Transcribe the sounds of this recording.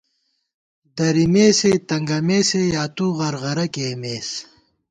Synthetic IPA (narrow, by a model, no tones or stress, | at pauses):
d̪ɐɾimeːset̪ɐŋɡɐmeːsejaːt̪uːʁɐɾʁɐɾɐkeːmeːs